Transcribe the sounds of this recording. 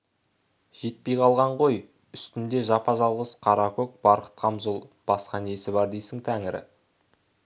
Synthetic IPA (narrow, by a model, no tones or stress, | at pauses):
ʒ̥e̞t̪̚pe̞jqʰɑlˠʁɑɴʁo̞j | ʏst̪ɪnd̪e̞ʒɑpɑʒɑlˠʁəsqʰɑɾɑkʲok̚b̥ɑɾqə̥t̪qʰɑmzolˠb̥ɑsqɑne̞sɪbɑɾd̪ejsɪŋt̪ʰæŋɪɾɪ̰